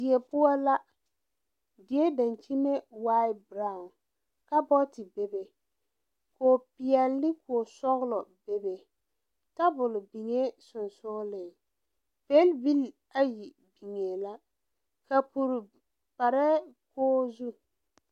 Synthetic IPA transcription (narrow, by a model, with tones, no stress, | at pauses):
dɪ˨ɛ˨pʊ˦ɔ˦la˦ | dɪ˨e˦da˨nt͡ʃi˦me˦wa˦jbɾa˨ʊ˨n | ka˦bɔ˦tɪ˨be˨be˨ | koː˨pɪ˨ɛ˨lːɪ˦kʊ˨ɔ˨sɔ˦ɣlɔ˨be˦be˨ | ta˦bʊ˨lʊ˨bi˨ŋe˦sʊ˨nsʊ˦lɪ˨ | pe˦lbi˦l | a˦ji˨ | bi˨ŋe˨la˦ | ka˨pu˨ɾ | pa˨ɾɛ˦koː˦zu˦